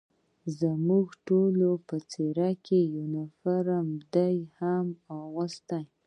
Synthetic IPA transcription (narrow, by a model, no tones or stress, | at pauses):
zəmuɡʈolopət͡seɾakejunafaɾamd̪ajhamawwəst̪aj